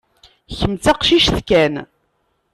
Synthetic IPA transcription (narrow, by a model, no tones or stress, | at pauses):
çəmt͡sæqʃiʃθkæn